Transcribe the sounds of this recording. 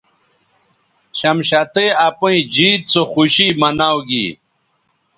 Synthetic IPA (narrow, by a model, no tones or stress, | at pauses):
ɕɐmɕat̪eapuĩd͡ʑiːt̪̚t͡soxuɕimɐnawɡḭ